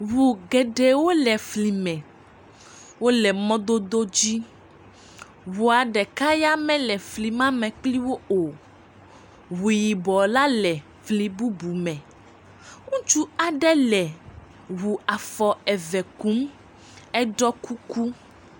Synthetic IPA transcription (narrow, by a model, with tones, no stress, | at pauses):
wu˨ɡɛ˨ɖɛ˨wo˦lɛ˨fli˨mɛ̃˨ | wo˦lɛ˨mɔ̃˦d̪o˦d̪o˦d͡ʑi˦ | wu˨a˨ɖɛ˨ka˦ja˦mɛ̃˦lɛ˨fli˨mã˦mɛ̃˨k͡pli˦wo˦o˨ | wu˨ji˨bɔ˨la˦lɛ˨ | flĩ˨bu˦bu˨mɛ̃˨ | ŋũ˦t͡ʃu˦a˨ɖɛ˦lɛ˨ | wu˨a˨fɔ˨ɛ˨vɛ˨ku˦m | ɛ˦ɖɔ˦ku˦ku˦